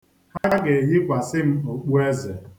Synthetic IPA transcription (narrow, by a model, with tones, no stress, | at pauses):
ha˦ɡe˨ɦɪ˦ɡʷa˨sɪ˦m̩˦o˨k͡pu˦e˦ze˨